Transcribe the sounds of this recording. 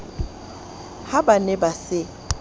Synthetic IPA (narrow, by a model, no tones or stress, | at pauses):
habanɛbasɪ